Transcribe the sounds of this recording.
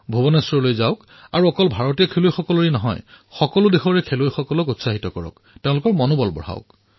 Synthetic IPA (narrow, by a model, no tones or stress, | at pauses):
bʱobɔnɔsɹɔlojzaʊk | aɹuɔkɔlbʱaɹɔtijɔkʰelojxɔkɔloɹinɔɦɔ̰j | xɔkɔlʊdexɔɹɛkʰelojxɔkɔlɔkutsaɦitɔkɔɹɔ̰k | teʊ̃lʊkɔɹmɔnubɔlbɔ̰ɹ̤a̰ʊk